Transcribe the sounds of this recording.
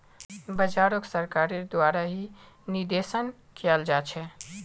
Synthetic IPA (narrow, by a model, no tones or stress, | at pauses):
bəd͡ʒaːɾoksəɾkaːɾeɾd̪waːɾaɦi | niɾd̪esən | kijəld͡ʒaːt͡ʃʰɛ